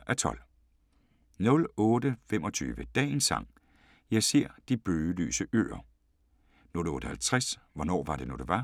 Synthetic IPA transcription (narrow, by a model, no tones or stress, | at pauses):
ʔæt͡sʰɒ̽l | nɔ̽lɔ̽ːdəfemɒ̽t͡sʰy̰ːʋəd̥ɛ̰ːnsɑ̈ŋ̰ | jɑ̈ɪse̝ɐ̰d̥ib̥øːly̰ːsəʔø̰ːɐ | nɔ̽lɔ̽ːɾ̥əhælt͡sʰʁasʋɒnɒ̰ːʋɑ̈ɾe̝nod̥eʋɑ̈